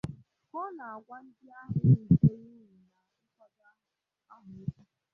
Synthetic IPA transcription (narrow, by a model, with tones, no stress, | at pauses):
kɔ˦na˨a˨ɡʷa˦n̩˦dɪ˦a˦ɦʊ˨˦˨te˦i˦ɦi˨na˨ʊ˦kɔ˦da˦ɦʊ˨ | a˦ɦʊ˨ɪ˦ka˦